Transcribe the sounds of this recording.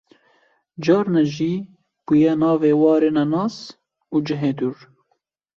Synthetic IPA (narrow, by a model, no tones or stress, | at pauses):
d͡ʒɑːɾnɛʒiː | b̥ujɛnɑːveːwɑːɾeːnɛnɑːs | uːd͡ʒɨɦeːd̪uɾ